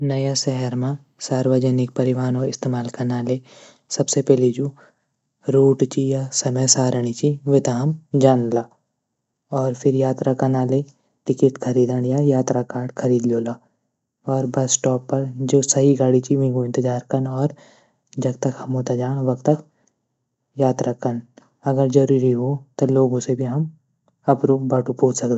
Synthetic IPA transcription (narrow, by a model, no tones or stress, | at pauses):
nɐjasɛɦɛɾmã | saːɾʋəd͡ʒənɪk̚pɐɾɪʋaːnɔːɾɪst̪eːmaːlkɐnaːleː | sɐbsepɛːlid͡ʒu | ɾoːʈt͡ʃijasɐməjsaːɾəɽ̃it͡ʃiʋet̪aɦɐmd͡ʒaːnlaː | ɔːɾpʰɪɾjaːt̪ɾakɐnaːle | ʈɪkɪʈkʰɐɾiːd̪əɽjajaːt̪ɾakaːɾɖkʰɐɾiːd̪ljoːlaː | ɔːɾbɐsʈɔːpːɐɾd͡ʒoːsɐɦiɡaːɽit͡ʃiʋẽɡoɪ̃nt̪ɪd͡ʒaːɾkɐnɔːɾ | d͡ʒɐɡt̪ɐkhɐmõt̪ad͡ʒaːɽ̃ʋɐkt̪ɐk | jaːt̪ɾakən | ɐɡəɾd͡ʒɐɾuːɾiɦoːt̪oloːɡõsebʱiɦɐm | ɐpɾoːbaːʈũpoːt͡ʃsɐkd̪e